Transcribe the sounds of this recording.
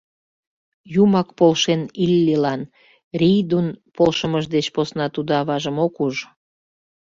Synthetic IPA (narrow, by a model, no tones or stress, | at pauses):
jumɑkpolʃenilʲːilɑn | rijd̪unpʰolʃəməʒd̪et͡ɕposnɑt̪ud̪oɑβɑʒəmokuʒ